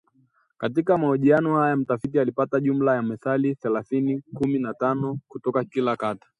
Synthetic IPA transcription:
katikamahɔʄianɔhajam̩tafitialipataʄum̩lajamɛθaliθɛlaθinikuminatanɔkutɔkakilakatḁ

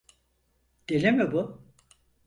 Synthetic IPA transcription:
d̪̥elʲimɪbʊ

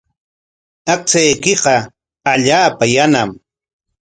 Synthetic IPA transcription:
aq̚t͡sajkɪqɑ | aʎaːpajanam

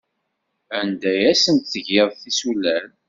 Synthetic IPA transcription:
ænd̪æjæsənt̪θəʝeðˤθisulæl

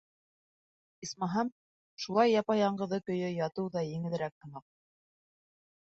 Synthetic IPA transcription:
ismɑɦɑm | ʃulˠɑjːɑpɑjɑɴɢɤ̆ðɤkɵ̆jɵjɑt̪ɤwðɑjɘ̆ŋɘ̆ðɘ̆ɾæk̚t̪ɤ̆nɑq̚

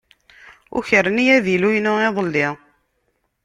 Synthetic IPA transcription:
ʊ̰çəɾːənjæðilujnʊeðˤəlːɪʁ

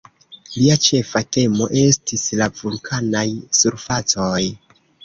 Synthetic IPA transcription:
liat͡ʃe̞fate̞mo̞ʔe̞stislavulkʰanajsuɾfat͡so̞j

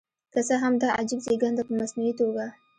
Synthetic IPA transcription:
kasəɦamd̪ɑʔad͡ʒibzeɡand̪apəmasnuit̪oɡa

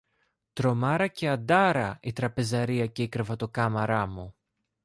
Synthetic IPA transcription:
t̪ɾo̞mɐɾɐce̞ɐd̪ɐɾɐit̪ɾɐpe̞zɐɾiɐce̞ikɾevɐt̪o̞kɐmɐɾɐmu

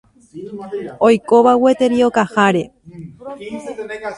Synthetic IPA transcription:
ojkoβawet̪e̞ɾiokahaɾe̞

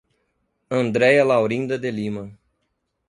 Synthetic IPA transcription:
ɐ̃nd̪ɾɛjɐlawɾĩnd̪ɐd̪elimɐ

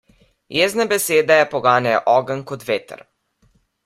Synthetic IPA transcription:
jeːznabɛseːd̪ajɛpoɡaːnaj̰ʔɔːɡənkot̪ʋeːt̪ə̰ɾ

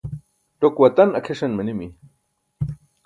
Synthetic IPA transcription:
t̪okwat̪anakʰeʂɐnmənimi

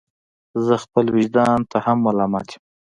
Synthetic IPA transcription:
zəxpəlwɪʒd̪ɑnt̪ahamːalɑmɑt̪ʰje̥m

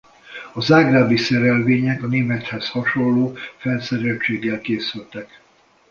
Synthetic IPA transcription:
ɒzaːɡraːbisɛɾɛlveːɲɛkɒneːmɛt̪hɛshɒʃo̞llːoːfɛnsɛɾɛlt͡ʃeːɡːɛlkeːsylt̪ɛk

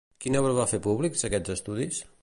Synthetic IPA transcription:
kinɛβɾəβafepuβlikzəkɛzəst̪uðis

